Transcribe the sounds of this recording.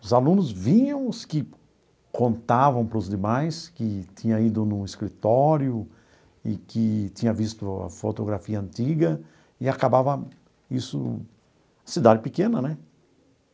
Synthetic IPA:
ʊzalũnʊzvĩɲɐ̃w̃ʊskɪ | kõnt̪avɐ̃w̃pɾʊzd̪emajskɪt̪ĩɲɐid̪ʊnʊ̃ɪskɾit̪ɔɾjʊ | ɪ̰kɪt̪ĩɲɐvist̪ʊɐ̰fot̪oɡɾafiɐɐ̃nt̪iɡɐ | ɪakabavɐ | isʊ̰ | ɐsid̪ad̪ɪpɪkẽnɐnɛ

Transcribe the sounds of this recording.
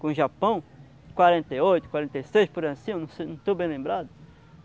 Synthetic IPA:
kõʒapɐ̃w̃ | kwaɾẽnt̪ejojt̪ʊkwaɾẽnt̪ejsejspʊɾɐ̃sĩũnɐ̃w̃senɐ̃t̪obẽj̃lẽmbɾad̪ʊ

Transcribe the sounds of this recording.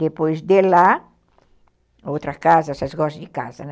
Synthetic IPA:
d̪epojzd̪ela | owt̪ɾɐskazɐsɐsɡɔsd̪ikazɐn

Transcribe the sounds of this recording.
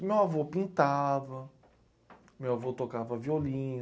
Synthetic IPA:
mewavopĩnt̪avɐ | mewavot̪okavɐviolĩ

